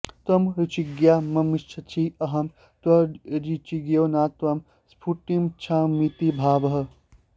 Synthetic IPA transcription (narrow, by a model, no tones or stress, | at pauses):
t̪ɐmɾit͡ʃiɡjaːmɐmiʃt͡ʃʰɐt͡ʃʰiɐɦɐm | t̪ʋɐɾit͡ʃiɡjoːnaːt̪ʋɐm | spʰuʈimt͡ʃʰãːmit̪ibʱaːʋɐɦɐ